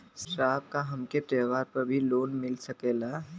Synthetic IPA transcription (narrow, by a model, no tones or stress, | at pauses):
sʈɾaːb̚kaɦɐmket̪eːʋaːɾpɐɾbʱiloːnmɪlsɐkeːla